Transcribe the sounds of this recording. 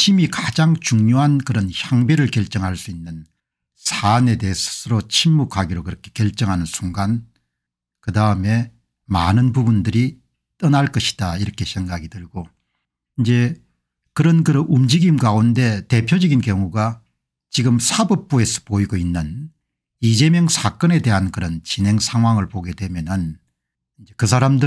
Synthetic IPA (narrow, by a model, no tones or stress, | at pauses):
ɕʰimikad͡ʑaŋt͡ɕuŋɲoɦankɯɾʌnçjaŋbeɾɯɭkjʌɭt͡ɕ͈ʌŋɦaɭs͈uinːɯn | sʰane̞de̞esʰʌ̥sʰɯɾot͡ɕʰimːukʰaɡiɾokɯɾʌkʰe̞̥kjʌɭt͡ɕ͈ʌŋɦanɯnsʰuŋɡan | kɯdaɯme̞ | ma̰nɯnpubundɯɾi | t͈ʌnaɭk͈ʌɕʰi̥d̥aiɾʌkʰe̞sʰe̞ŋɡaɡidɯɭɡo | ind͡ʑe̞ | kɯɾʌnkɯɾʌʔumd͡ʑiɡimɡaunde̞te̞pʰjod͡ʑʌɡinkjʌŋuɡa | t͡ɕiɡɯmsʰabʌp̚p͈ue̞sʰʌ̥poiɡoinːɯn | id͡ʑe̞mjʌŋsʰak͈ʌne̞de̞ɦankɯɾʌnt͡ɕinɦe̞ŋsʰaŋɦwaŋɯɭpoɡe̞dwe̞mjʌnɯn | ind͡ʑe̞kɯs̬ʰaɾamdɯ